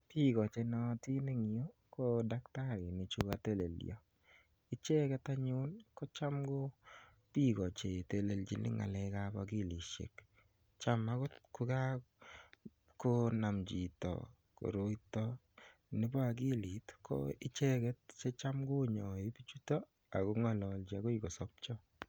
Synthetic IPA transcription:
pi˦ɡɔ˨t͡ʃe˨˧nɔ˨ti˦ne˦ŋi˨o˦ko˦da˦kta˦ɾɪ˨ni˨t͡ʃu˦ka˨te˦lḛ˨lj̰ɔ̰˨ | ɪ˦t͡ʃe˦kɛ˦ta˦ɲʊ˦nkɔ˦t͡ʃa˦mɡo˦ | pi˦ɡɔ˨t͡ʃe˨te˨le˨ld͡ʒi˨nɪ̰˦ŋa̰˨lɛ˨˦ka˦ba̰˨ɡi˦˨li˨ʃḛ˨k | t͡ʃa˦ma˦kɔ˦tkʊ˦ka˦ | ko˦na˨md͡ʒi˨tɔ̰˨ | ko̰˨ɾo˦itɔ | nɪ˦bɔ˦a˨ɡ̬i˦li˨tkɔ̰ɪ˦t͡ʃɛ˦kɛ˦t̚t͡ʃe˦t͡ʃa˦mɡo˦ɲɔ˨e˦pi˦t͡ʃu˦tɔ˦ | a̰˨ko˦ŋɔ˦lɔ˨ld͡ʒi˨a˨ɡo˦i˦ɡɔ˨sɔp̚t͡ʃɔ˦

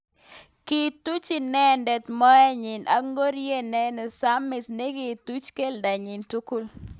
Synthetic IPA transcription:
ki˨tu˦t͡ʃɪ˦nɛ˦ndɛ˨tmɔ˦ɛ˦ɲɪ˨nʔa̰˨ŋɡo˦ɾje˦nɛ˦nɛ˨sa˦mːɪ˨sne˦ɡi˨tu˦t͡ʃke˦lda˨ɲɪ˨ntu˦ku˦l

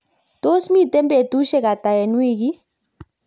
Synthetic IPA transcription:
t̪o˦smi˦tʼɛ˦mbe˨tu˦ʃɛ˦k̬a˨ta˨jɛ˨nwiː˦˨k̬i˦

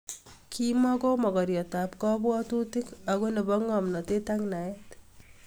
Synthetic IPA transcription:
kʰi˦mɔ˦ɡo˦mɔ˨ɡɔ˨ɾjɔ˨ta˨pkɔ˦bwɔ˦tu˦ti˦ka˨ɡo˦ne˨bɔ˦ŋɔ˨mnɔ˨te˦ta˦ŋna˨ɛ˦t

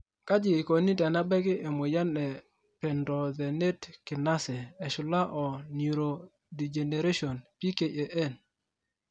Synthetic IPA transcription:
ka˦d͡ʒɪ˨ɪ˨ko˨ni˦ta˨na˦bɛ˦kɪ˦ʔe˨mo˨ja˦nɛ˨ | pɛ˨ndɔ˨ðɛ˨ne˦tkɪ˨na˦sɛ˨ɛ˨ʃʊ˨la˦ʔɔ˨ni˨ɾo˨ | di˨d͡ʒe˨ne˨ɾe˦ʃo˨npi˦ke˨ʔe˨ʔe˦˨n

